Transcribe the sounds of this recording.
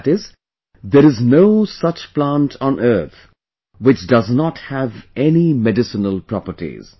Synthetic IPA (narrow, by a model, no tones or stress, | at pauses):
tɪz | d̪əɾɨznoʊsʌt͡ʃplãntʰɔ̃nɜ˞t̪ʰ | wɪt͡ʃdʌznɔthævɛnimɛɖɪsənəlˠpɾɔpəʈḭz̥